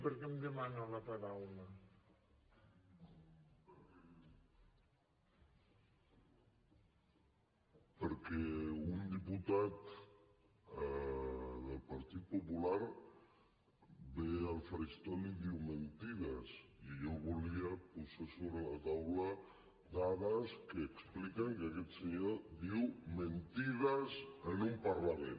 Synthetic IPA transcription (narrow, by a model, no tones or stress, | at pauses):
peɾkemd̪emanalat̪aɾawla | peɾkeund̪iput̪at̪ | ðelpaɾt̪it̪̚populaɾ | bealfaɾist̪oniðiwmẽnt̪iðasiʝoβoliapusasoβɾelat̪awla | d̪aβaskeːksplikaŋkeakɛt̪seɲoðiwmẽnt̪iðasenumpaɾlamẽn